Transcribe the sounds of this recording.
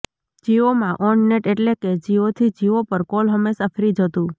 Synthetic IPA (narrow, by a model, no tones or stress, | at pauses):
d͡ʒiʋomãʔɔnneʈeʈleked͡ʒiʋot̪ʰid͡ʒiʋopəɾkolɦəmesəfʰɾid͡ʒʱət̪ũ